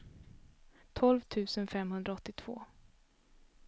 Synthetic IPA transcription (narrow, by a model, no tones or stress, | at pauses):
t̪ʰɔlvt̪ʰʉ̟ːsənfɛmhɵnd̪ɾaɔt̪ːɪt̪ʰv̥o̰ː